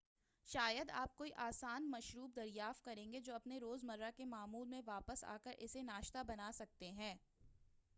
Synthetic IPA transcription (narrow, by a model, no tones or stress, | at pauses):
ʃaːjəd̪aːp̚koːiʔaːsaːnmɐʃɾuːb̚d̪ɐɾjaːft̪̚kɐɾẽːŋɡed͡ʒoːɐpneɾoːzmɐɾːakemaːmuːlmẽʋaːpəsa̰ːkəɾʔɪsenaːʃt̪abɐnaːsɐk̚t̪eɦɛ̃ː